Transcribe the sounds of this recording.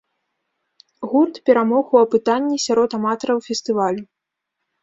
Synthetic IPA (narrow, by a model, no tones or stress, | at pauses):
ɣurt̪pʲɛɾamɔɣuɐpɨt̪anʲːisʲaɾɔt̪amat̪ɐɾɐwfʲɛst̪ɨvalʲu